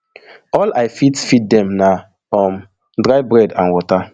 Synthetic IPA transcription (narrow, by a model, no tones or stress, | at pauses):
ɔlajfitfit̚dɛ̃mna | fɔ̃m | dɹajbɹɛdãnwɔta